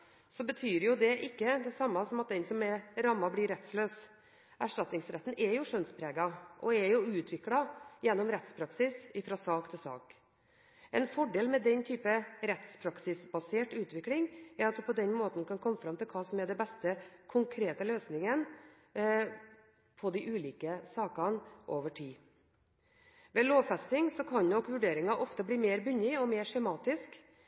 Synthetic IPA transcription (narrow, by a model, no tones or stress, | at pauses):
sɔbət̪ʰyːɾjʊd̪ɛʔɪkːəd̪ɛsɑmːɑsɔmɑt̪̚d̪ɛnsɔmɛɾɑmːɑblɪɾɛt̪sløːs | ʔæʂʈɑt̪nɪŋsɾɛt̪ːn̩ʔɛɾjʊʂœnspʰɾeːɡɑʔɔ̰ɛɾjʊʉːt̪ʰʋɪklɑjɛnːɔmɾɛt̪spʰɾɑksɪsɪfɾɑːsɑːkt̪ʰɪlsɑ̰ːk | ɛnfɔɖeːlmɛd̪ɛnt̪ʰyːpəɾɛt̪spʰɾɑksɪsbɑseːʈʉːt̪ʰʋɪklɪŋæɾɑt̪̚d̪ʉpʰɔd̪ɛnmoːt̪n̩kʰɑnkʰɔmːəfɾɑmt̪ʰɪlkʰɑːsɔmæɖ̪ɛbɛst̪əkʰʊŋkʰɾeːt̪əløːsnɪŋən | pʰɔd̪ɪʔʉːliːkəsɑːkɑnʔoːʋəʈʰiː | ʋɛːloːʋfɛst̪ɪŋsɔkʰɑɲnɔkʋʉɖeːɾɪŋɑʔɔft̪əbliːmeːɾbʏnːɪɔmeːɾʂɛmɑːt̪ɪsk